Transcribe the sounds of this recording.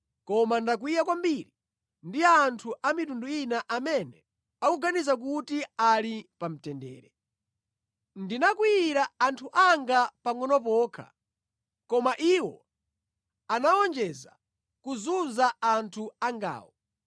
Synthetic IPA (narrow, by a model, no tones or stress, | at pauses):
kɔmandak̬wijak̬wambiɾi | ndiantʰuʔamitunduinaʔamɛnɛ | akuɡanizak̬utialipam̩tɛndɛ̰ːɾɛ | ndinakwiːɾaantʰuʔaŋɡapaŋɔnɔpɔːkʰa̰ | kɔmaʔiwɔ | anaɔnd͡ʒɛza | kuzunzaantʰuaŋɡa̰ːwɔ